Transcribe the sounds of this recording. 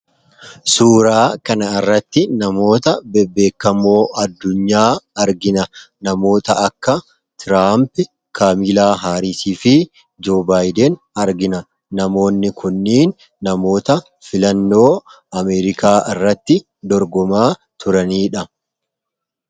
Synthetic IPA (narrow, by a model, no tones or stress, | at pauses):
suːɾaːkɐnɐɪrːɐt̪ːɪnɐmo̞ːt̪ɐbɛbːe̞ːkːɐmo̞ːʔɐd̪ːʊɲːaːɐɾɡɪnɐ | nɐmo̞ːt̪ɐɐkːɐ | t̪ɪɾaːmpɪ | kaːmiːlaːɦaːɾiːsiːfɪ | d͡ʒo̞ːbaːjd̪ɛn | ɐɾɡɪnɐ | nɐmo̞ːnːɪkʰʊnːiːnː | ɐmo̞ːt̪ɐ | fɪlɐnːo̞ː | ɐmɛːɾɪkaːʔɪrːɐt̪ːɪ | d̪ɔɾɡɔmaː | t̪ʰʊɾɐniːᶑɐ